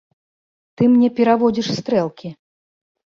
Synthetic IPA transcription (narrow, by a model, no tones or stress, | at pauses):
t̪ɨmnʲɛpʲɛɾavɔd͡zʲiʂst̪ɾɛlˠkʲʰi